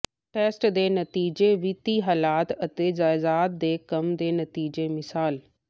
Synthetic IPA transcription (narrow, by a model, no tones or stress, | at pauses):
ʈeːsʈd̪eːnət̪iːd͡ʒeʋɪt̪iɦaːlaːt̪ət̪eːd͡ʒaːɪzaːt̪̚d̪eːkɐmd̪eːnɐt̪iːd͡ʒemɪsaːl